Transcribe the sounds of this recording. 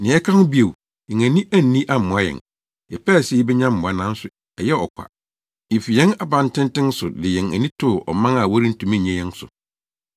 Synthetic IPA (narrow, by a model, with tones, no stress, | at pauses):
nɪ̃˨ɛ˦kʰã˦nʊ˦bi˦e˨w | jɛ̃˨ŋæ̃˨nĩ˦ʔæ˦n̩˨nĩ˦ʔa˦m˨mʊ̃˨a˦jɛ̰˨n | ɛ˨pʰɛ˦˨sɛ˦ji˦bɛ˦ɲã˦m̩˦mʊ̃˨a˨nã˦n̩˦sʊ˨ | ɛ˨jɛ˦ɔ˨kʷʰa̰˨ | ɪ˨fi˨jɛ̃˦na˦bã˨n˦tɪ̃˦n˦tɪ̃˦n˦sʊ˨dɪ˨jɛ̃˨næ̰˨nĩ˦tʰʊ˦˨ʔɔ̰˨mã˦ŋa˨wɔ˦ɾi˦n̩˦tʰũ˨mĩ˦˨ɲɛ̃˦jɛ̃˦n˦sʊ̰˨